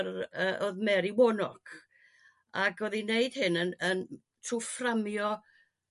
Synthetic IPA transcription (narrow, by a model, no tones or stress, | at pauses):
rəʔoðmɛɾiwɔnɔkʰ | aɡoðineɨd̥hɪnənən | tʰruframjɔ